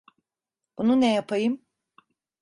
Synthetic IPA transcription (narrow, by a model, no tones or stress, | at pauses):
b̥ununɛjapʰajɯm